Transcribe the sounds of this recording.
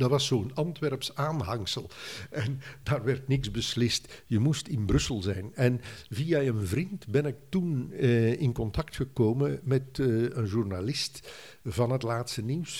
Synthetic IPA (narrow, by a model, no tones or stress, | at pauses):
dɑtʋɑsːoːənɑntʋɛrpsaːnɦɑŋsəlˠʔɛndaːrʋɛrtnɪksbəslɪstjəmustɪnbrɵsəlˠzɛjnɛnviːaənvrintbɛnɪk̚tunɪnkɔntɑktxəkoːməmɛtənʒurnalɪst | vɑnətlaːtstəniws